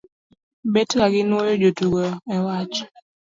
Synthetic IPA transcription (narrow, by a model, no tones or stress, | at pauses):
betkaɡɪnojod͡ʒotuɡɔɛwat͡ʃ